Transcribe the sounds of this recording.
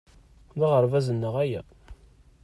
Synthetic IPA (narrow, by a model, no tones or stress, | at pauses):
ðiʁəɾˤvæzənːəʁæjæ̰